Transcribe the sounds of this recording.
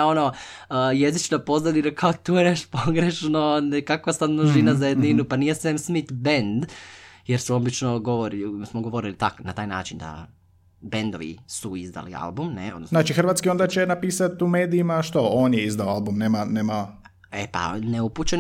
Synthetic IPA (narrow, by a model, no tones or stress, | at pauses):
ono | jezit͡ʃnapo̞znad̪inakʰaot̪ueɾeʃpoɡɾeʃnonekakosannuʒinazajed̪ninupanijesʋemsmit̪bend̪jeɾsuo̞bit͡ʃnoɡoʋoɾismoɡoʋo̞ɾilit̪aknat̪aːjna̰ːt͡ʃind̪a̰ | be̞nd̪o̞ʋḭsuizd̪a̰lḭa̰lbumnḛod̪nosznaːt͡ʃixɾr̩ʋaːt̪skio̞nd̪at͡ɕenapiːsat̪umeːd̪iimaʃt̪ooːnjeizd̪aoalˠbumneːmaneːma | ḛpa̰neuput͡ɕen